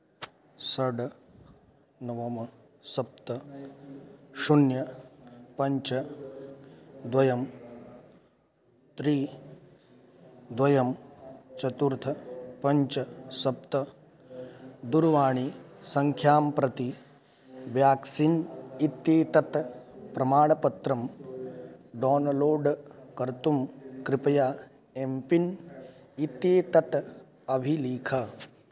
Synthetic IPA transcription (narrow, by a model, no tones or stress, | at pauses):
sɐɖ | nɐʋɐmɐ | sɐp̚t̪ɐ | ʃunjɐpɐɲt͡ʃɐ | d̪ʋɐjɐm | t̪ɾiː | d̪ʋɐjɐmt͡ʃɐt̪uɾt̪ʰɐpɐɲt͡ʃɐsɐp̚t̪ɐ | d̪uɾʋaːɳ̃isɐŋkʰjaːmpɾɐt̪i | ʋjaːksinit̪jeːt̪ɐt̪pɾɐmaːɽɐpɐt̪ɾɐm | ɖɔːnloːɖkɐɾt̪umkɾɪpɐjaː | empin | it̪jeːt̪ɐt̪ | ɐbʱiliːkʰɐ